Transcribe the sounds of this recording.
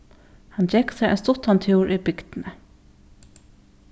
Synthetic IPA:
hɑnd͡ʒɛksɛʔɛ̰nst̪ʊt̪ɑnt̪ʰjuːɹʔibʏɡd̪̥nə

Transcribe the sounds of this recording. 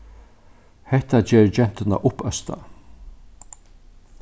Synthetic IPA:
hɛht̪ad͡ʒɛːɹd͡ʒɛn̥t̪ɪna̰ʔʊpœst̪a̰

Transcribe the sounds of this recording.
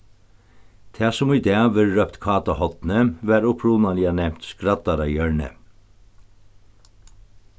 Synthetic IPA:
t̪ʰæːsʊmiːd̪eːɑʋəɾɾœpt̪kʰɑːt̪ɑhɔt̪n̩əʋæːɾʊpʰɾuːnɑlɪɑnɛmt̪skɾɑt̪ɑɾɑjœɹɳə̰

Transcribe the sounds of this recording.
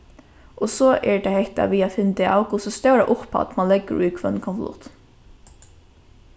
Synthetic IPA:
ɔsɔʔɛɹt̪ʰahɛht̪a̰ʋiːafɪnːt̪ɪʔaːwkusɔst̪œwɾaʔʊpʰa̰t̪manlɛkːə̰ɾuːkʰvœ̰nkʰɔnflʊ̰ht̪

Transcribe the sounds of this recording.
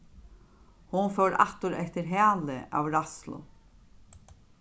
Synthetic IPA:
hʊnfɛwɾa̰ht̪ʊɾɛht̪ɪɾɦæːlɪʔa̰wɾaslʊ̰

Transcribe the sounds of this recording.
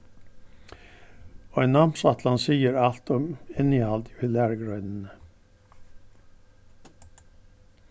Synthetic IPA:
oːɛnɑmsɑt̪lɑnsiːəɾɑlt̪ɔmɪnɪhɑld̪ɪɪlæɾɡɾœʏd̪n̩ə

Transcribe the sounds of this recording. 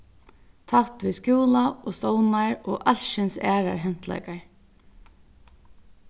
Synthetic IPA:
t̪ʰat̪ʋiskjuːlaoːst̪ɔʊnaɹoːʔalʃɪnsæːɹa̰ɹɦɛn̥t̪lɛ̰jkaɹ

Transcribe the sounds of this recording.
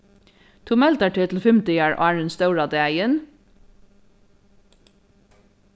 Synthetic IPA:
t̪ʰumɛlt̪ɑʈʰɪt̪l̩fʏmt̪ɪjæːɹʔo̰æːɹənst̪œʉɹɑːd̪eæɪən

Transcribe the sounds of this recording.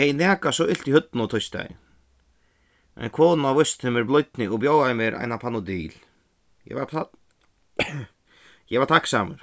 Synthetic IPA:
ejnɛːkasɔʔɪl̥t̪ihʏt̪nʊt̪ʰɔjst̪a̰j | ʔɛ̰nkʰɔːnavɔst̪nɛmɛɾblɔɥjt̪nɪʔɔɣbjoːwɣaɪmjɛɾʔa̰ːjnapʰanʊd̪iːl | jɛ̰vaɾpʰa | jɛvaɾt̪ʰaksaːmʏɾ̥

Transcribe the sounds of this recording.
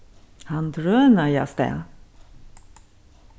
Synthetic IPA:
hand̪ɾœːnaja̰st̪ɛ̰

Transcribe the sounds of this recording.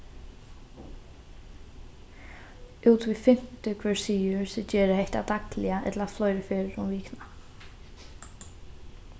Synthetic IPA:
uːt̪viðfɪm̥t̪ʏkʰvɛɹsiːʏɹsɛt͡ɕɛːɾɪhejht̪a̰t̪aklɪaʔɛ̰t̪laaflɔːjɾɪfɪːɾɪɾumviːkna

